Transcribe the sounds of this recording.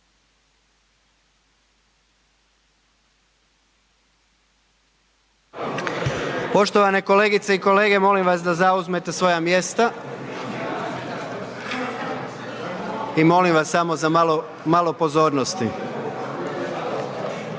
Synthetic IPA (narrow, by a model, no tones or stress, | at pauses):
po̞ʃt̪o̞ʋane̞ko̞le̞ːɡit̪seiko̞le̞ːɡe̞mo̞limʋas̬d̪azauzme̞t̪e̞sʋo̞jamje̞st̪a | imo̞limʋasːamo̞zalo | malo̞po̞zo̞ːɾnost̪i